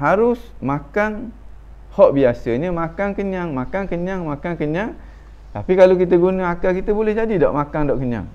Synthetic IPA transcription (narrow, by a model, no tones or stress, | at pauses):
ɦaɾʊsmakan | hɔʔbiasəɲəmakaŋkəɲaŋmakaŋkəɲaŋmãkaŋkəɲaŋ | t̪apikalok̬it̪əɡunəakakit̪əbolɛhd͡ʒadidaʔmakaŋdaʔkəɲa̰ŋ